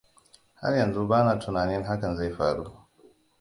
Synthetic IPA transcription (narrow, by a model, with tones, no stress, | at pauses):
ha̰˦rjɐ˨nzu˦baː˦naː˨tʊ˨naː˨nɪ˦ŋɦa˦kɐ˨nza˦˨jɸa̰ː˨ɽu˦